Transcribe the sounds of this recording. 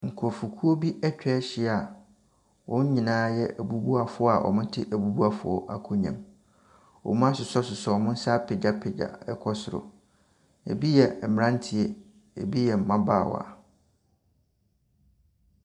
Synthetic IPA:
ŋ̩˨kʰɔ˨fu˨kʰu˦o˦bi˦ʔɛ˦t͡ɕᶣɛ˦ɕɪ˦˨a˨ | wʔɔ̃˦ɲ̩˦ɲĩ˨nãː˦jɛ˦ʔæ˨bu˦bu˦a˨fʊ˦ɔ˦a˨ʔɔ̰˨mʊ̃˦tʰɪ˦ʔæ˨bu˦bu˦a˨fʊ̰˨ɔ˦ʔa˦kʰo˦ɲã̰˨m | ɔ̰˨mʊ̃˦a˦sʊ˨sɔ˦sʊ˨sɔ˨˦ɔ˨mʊ̃˦n̩˦sa˦pʰɪ˨d͡ʒa˦pʰɪ˨d͡ʑa̰˨ɛ˦kʰɔ˦sʊ˨ɾʊ̰˨ | ḛ˨bi˦jɛ˨m˨ɾã˦n˦tʰɪ˨ɛ˦ | ḛ˨bi˦jɛ˨m̩˨mã˦baː˦˨wɔ̰˨a̰˨

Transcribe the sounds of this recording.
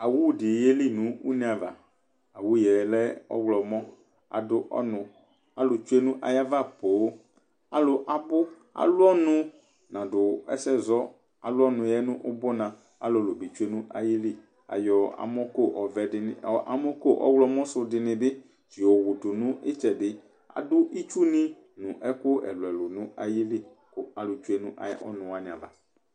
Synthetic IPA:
a˨wu˦wdɪ˨je˦li˦nũ˦wṵ˦nĩ˦a˨va̰˨ | a˨wu˦jɛ˨lɛ˦ɔ̰˦wlɔ˨mɔ̃˦ | a̰˨dʊ˦ʔɔ̰˦nʊ̃˨ | a˨lʊ˨t͡ʃu˦e˦nũ˦ʔa̰˨ja˦va˦˨poː˨˦ | a˨lʊ˨ʔa˨bʊ˦ | a̰˨lʊ˦ɔ˦nʊ̃˨ | nã˨dʊ˨ɛ̰˦sɛ˦zɔ˦ | a˨lʊ˦ɔ˦nʊ̃˨jɛ˦nʊ̃˦ʔʊ˦bɔ˦nã˨ | a˨˦lo˨lo˨bi˨t͡ʃu˦e˦nʊ̃˦a˨ji˦li˦ | a̰˨jɔ˨a̰˨mɔ˦ko˦ʔɔ˨vɛ˨dɪ˨ɔ˨ʔa̰˨mɔ˦ko˦ʔɔ̰˦wlɔ˦mɔ̃˦sʊ˨dɪ˨nɪ̃˨bɪ˦ | t͡ʃɪ˨o˨wʊ˨tʊ˨nʊ̃˦ʔɪ˦t͡ʃɛ˨dɪ˦ | a̰˨dʊ˦ʔi˦t͡ʃu˦nɪ̃˦ | nʊ̃˨ʔɛ˦kʊ˦ɛ̰˨lʊ˨ɛ˨lʊ˨nʊ̃˦a˨ji˦li˦ | kʊ˦a˨lʊ˨t͡ʃu˦e˦nʊ̃˦ʔa̰˨˦ɔ̰˦nʊ̃˨a˨nɪ̃˨a̰˨va˦

